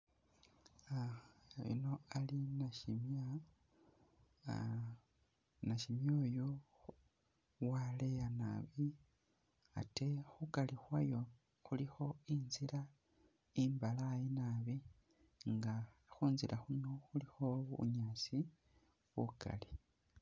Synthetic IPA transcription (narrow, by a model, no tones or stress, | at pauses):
aβḭno̞alinaʃimja | naʃimjo̞ːjo | wale̞jana̰βi | a̰te̞xukalixwajo̞ | xulixo̞inziɾa | imbalajinaβi | ŋɡa | xuːnziɾʔaxunoxulixo̞ṵɲaːt͡si | βuka̰li